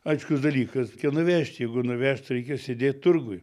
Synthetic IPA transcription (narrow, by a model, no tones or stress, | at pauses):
ɐɪʃkʊsd̪ɐlʲiːkɐskʲɛnʊʋʲæːʃʲt̪ʲjɛɪɡʊnʊʋʲæːʃt̪ɾʲɛɪkʲɛsʲed̪ʲeːt̪ʲt̪ʊrɡʊɪ